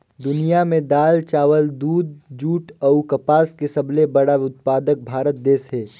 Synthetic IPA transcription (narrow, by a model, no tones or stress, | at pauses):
d̪ʊnijamẽd̪aːlt͡ʃaːʋəld̪uːd̪̚d͡ʒuːʈəukɐpaːskesɐblebɐɽaʊt̪̚paːd̪ək̚bʱaːɾət̪̚d̪eːsɦɛː